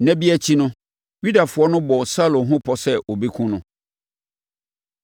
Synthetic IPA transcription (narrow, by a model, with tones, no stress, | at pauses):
næ̃˦bi˦æ˦t͡ɕʰi˦nʊ̃˦ | ɥu˦da˨fʊ˨ɔ˦nʊ̃˦bɔ˨sa˦lʊ̃˨ɦʊ̃˦pʰɔ˨sɛ˦ʔo˨bi˦kʰũ˦nʊ̃˦